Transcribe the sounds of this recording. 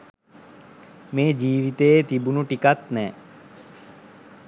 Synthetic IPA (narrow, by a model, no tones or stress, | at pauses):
meːd͡ʒiːʋit̪eet̪ibunuʈikat̪nɛː